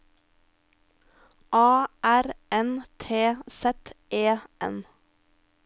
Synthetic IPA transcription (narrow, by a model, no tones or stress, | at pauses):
ʔɑːʔæɾɛnt̪ʰeːsɛt̪ʔeːʔɛ̰n